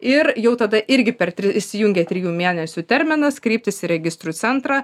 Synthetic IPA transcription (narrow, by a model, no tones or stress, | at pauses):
ɪɾjɛʊt̪ɐd̪ɐʔɪɾʲɡʲɪpʲɛɾt̪ʲɾʲɪɪʃʲsʲɪjʊŋʲɡʲeːt̪ʲɾʲɪjuːmʲeːnʲɛsʲuːt̪ʲɛɾʲmʲɪnɐskɾʲiːp̚ʲt̪ʲɪsɪɾʲɛɡʲɪst̪ɾuːsʲɛnt̪ɾɑː